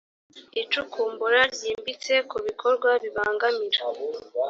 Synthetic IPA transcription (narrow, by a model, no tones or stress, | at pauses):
it͡ʃukʰuːmbuɾaɾɟiːmbit͡se̞kuβikʰo̞ɾɡwaβiβaːŋɡamiɾa